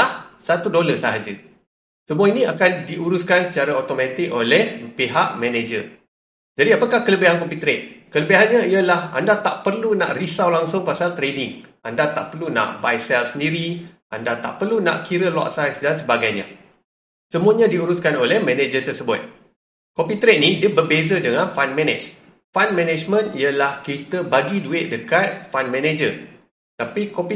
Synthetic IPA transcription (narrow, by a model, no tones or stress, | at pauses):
ahsat̪udoləsaɦad͡ʒə | səmuainĩakandiʔuɾuskansət͡ʃaɾaot̪omãt̪ɪkolɛhpiɦaʔmɛ̃ned͡ʒə̰r | d͡ʒadiapakahkələbiɦankɔmput̪ɾet̪̚kələbiɦanɲãiəlaha̰ndat̪aʔpərluna̰ʔrisawlaŋsʊŋpasalt̪ɾedɪŋʔandat̪a̰ʔpərlunã̰ʔbajsɛlsəndiɾiʔa̰ndat̪a̰ʔpərlunã̰ʔkiɾəlɔ̰ʔsajsdansəbaɡajɲã̰ | səmuaɲãdiuɾʊskanolɛhmɛ̃ned͡ʒət̪ərsəbʊt̪̚ | kopit̪ɾet̪̚nĩdiəbərbezədəŋãnfanmɛ̃nɛ̰t͡ʃ | fanmɛ̃nɛd͡ʒmə̃niəlahkit̪əbaɡiduɪʔ̪̚dəkat̪̚fanmɛ̃ned͡ʒə | t̪apikopi